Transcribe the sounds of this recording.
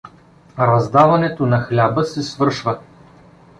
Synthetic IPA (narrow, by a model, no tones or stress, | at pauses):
ɾɐzd̪avɐnɛt̪onɐxlʲabəsɛsvɤɾʃvə